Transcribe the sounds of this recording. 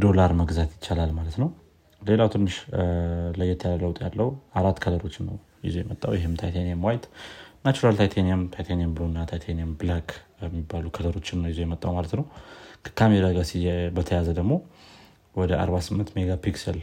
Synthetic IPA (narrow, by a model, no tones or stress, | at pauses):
d̪o̞laɾməɡzat̪jɪt͡ʃːalalmalət̪nəw | le̞lawt̪ʰɨnːɨʃ | ləjːɛt̪ʰəjaləwt̪ʼja̰lːəwuaɾat̪ːkʰələɾo̞t͡ʃːɪnːə̰w | jɪ̰zujɛmət̪ʼːawjɪɦɪmt̪ʰajt̪ʰanijamwajt̪nat͡ʃuɾalt̪ʰajt̪ʰanijamt̪ʰajt̪ʰanijambɨlonːat̪ʰajt̪ʰanijamblakʰjɛmːibːalukʰələɾo̞t͡ʃːɪnːəwjɪzujɛmət̪ʼːawmalət̪nəwkʰəkʰameɾaɡasibət̪ʰəjazəd̪əɡmo̞ | wɔd̪əa̰ɾβasɨmːɨnt̪meɡapiksəl